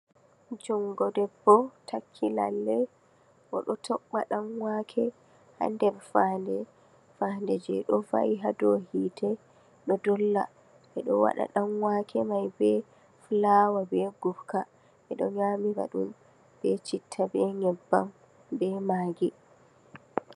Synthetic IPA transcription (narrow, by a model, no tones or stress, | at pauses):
d͡ʒɔŋɡɔdɛbːɔtʰakʰːila̰lːɛ | ʔɔ̰ɗɔtʰɔɓːaɗamwakʰɛ | ha̰ndɛbfandɛ | fandɛd͡ʒɛɗɔfa̰iɦadɔhitʰɛ | ɗɔdɔlːa̰ | ʔɛɗɔwa̰ɗa̰ɗamwakʰɛmajbɛ | flawabɛɡufka | ʔɛɗɔɲamiba̰ɗum | b̥ɛt͡ʃitʰːabɛŋɛbːam | bɛmaːɡi